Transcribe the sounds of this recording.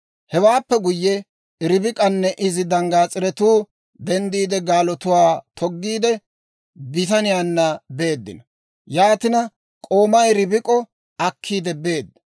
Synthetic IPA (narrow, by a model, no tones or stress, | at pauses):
hɛwaːpːɛɡʊjːɛ | ɾɪbɪkʼɐnːɛʔɪzɪd̪ɐŋɡaːt͡sʼɪɾɛt̪uː | d̪ɛnd̪iːd̪ɛɡaːlɔt̪ʊwaːt̪ʰɔɡːiːd̪ɛ | bɪt̪ɐnɪjaːnːɐbe̞ːd̪ːɪ̰nɐ | jaːt̪ɪnɐ | kʼo̞ːmɐjɾɪbɪkʼɔ | ɐkʰːiːd̪ɛbe̞ːd̪ːɐ